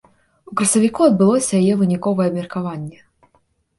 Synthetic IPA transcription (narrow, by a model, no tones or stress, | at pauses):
ukɾɐsɐvʲikuɐd̪̚bɨlˠɔsʲɐjajɛvɨnʲikɔvɐjɛɐbmʲɛrkavanʲːɛ